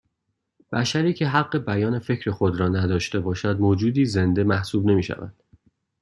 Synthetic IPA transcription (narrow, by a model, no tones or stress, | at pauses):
b̥æʃæɾiːcʰe̞ɦæɢːe̞bæjɒːne̞fe̞cʰɾe̞xod̪ɾɒːnæd̪ɒːʃt̪e̞bɒːʃæd̪̚moːd͡ʒuːd̪iːze̞nd̪e̞mæhsuːbne̞miːʃæ̰væ̰d̪̥